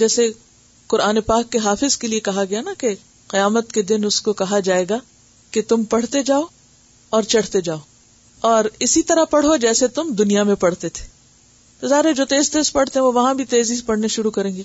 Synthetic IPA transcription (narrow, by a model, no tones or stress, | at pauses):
d͡ʒɛːse | qʊɾaːnepaːkːeɦaːfɪzkeliekɐɦaɡɐjanake | qɪjaːmət̪ked̪ɪnʊskokɐɦad͡ʒaːeːɡa | ket̪ʊmpɐɽ̤t̪ed͡ʒaːo | ɔːɾt͡ʃɐɽ̤t̪ed͡ʒaːoː | ɔːɾɪsit̪ɐɾapɐɽ̤od͡ʒɛːset̪ʊmd̪ʊnijamẽpɐɽ̤t̪et̪ʰe̥ː | t̪ozaɦɾed͡ʒoːt̪eːzt̪eːzpɐɽ̤t̪eɦɛ̃ʋoʋɐɦãbʱit̪eːzisepɐɽ̤neʃʊɾukɐɾẽːŋɡe